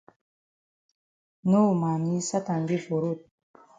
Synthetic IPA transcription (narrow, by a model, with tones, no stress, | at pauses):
no˦˨ma˨ni˦sa˦t̪a˨nɡi˦vo˨ɾu˦˨t̪̚